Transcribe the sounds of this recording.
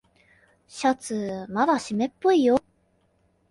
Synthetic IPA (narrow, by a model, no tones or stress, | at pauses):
ɕat͡sɨmad̪aɕimepːoijo